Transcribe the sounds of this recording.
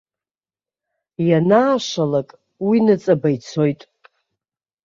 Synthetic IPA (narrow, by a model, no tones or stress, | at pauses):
janaːʂalakʼ | winɨt͡sʼabajt͡sʰo̞jtʼ